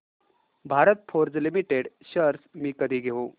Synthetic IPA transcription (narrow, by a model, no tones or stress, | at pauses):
bʱaɾət̪̚pʰoɾd͡zlimiʈeɖɕəɾsmiːkəd̪ʱiːɡʱeʋo